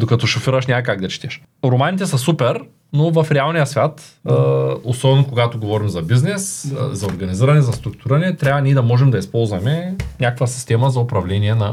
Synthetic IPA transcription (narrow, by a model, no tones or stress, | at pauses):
d̪okɐt̪ɔʃofiɾɐʃnʲaəkaɡd̪ɐt͡ʃi̥t̪ɛʃ | ɾomanit̪ɛsɐsupɛɾ | novɐfɾɛalˠnijɐsvʲat̪ː | osɔbɛnokoɡat̪oɡovɔɾimzɐbiznɛszɐoɾɡɐniziɾɐnɛzɐst̪ɾʊk̚t̪uʊɾiɾɐnɛt̪ɾʲavɐnʲiɛd̪ɐmɔʒɛmd̪ɐispɔlˠzvɐmɛnʲakəkvɐsi̥st̪ɛmɐzɐopɾɐvlɛniɛnɐ